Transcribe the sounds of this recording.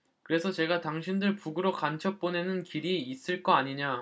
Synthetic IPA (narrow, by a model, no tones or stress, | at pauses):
kɯɾe̞sʰʌt͡ɕe̞ɡataŋɕʰindɯɭpuɡɯɾokant͡ɕʰʌp͈one̞nɯnkiɾiːs͈ɯɭk͈ʌaɲiɲa